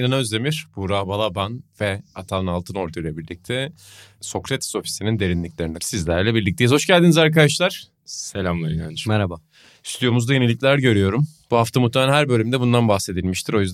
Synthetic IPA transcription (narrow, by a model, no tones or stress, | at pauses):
nanaøzd̪e̞miɾ̥b̥uɾabalˠabanvɛat̪ʰanɯnalˠt̪ʰɯno̞ɾd̪ʰajlʲˠebiɾlʲic̚t̪ʰɛ | so̞kɾɛt̪ʰi̥so̞fi̥sinind̪e̞ɾinlʲiclʲe̞ɾiniɾsizlʲæɾlʲɛbiɾlʲic̚t̪eizho̞ʃɟælʲd̪inizaɾkad̪aʃlˠaɾ̥ | selʲamlˠaɾina̰nmɛɾaba | isyijo̞muzd̪aje̞nelʲiclʲæɾɟø̞ɾyjo̞ɾumb̥uɦaft̪ʰamut̪ːaanʲaɦæɾbø̞lʲymd̪ɛbund̪anbaxse̞d̪ilʲmiʃt̪ʰiɾo̞jyzd̪